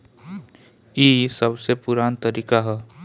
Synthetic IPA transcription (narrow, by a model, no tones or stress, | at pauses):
iːsəbsepʊɾaːnt̪əɾiːkaɦɛː